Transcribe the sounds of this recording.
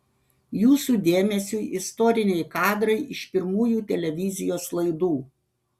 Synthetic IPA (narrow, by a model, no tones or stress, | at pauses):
juːsuːd̪ʲeːmʲɛsʲuːʔɪst̪ɔɾʲɪnʲɛɪkɑːd̪ɾɐɪʔɪʃpʲɪɾmuːjuːt̪ʲɛlʲɛʋʲɪzʲɪjoːslˠɐɪd̪uː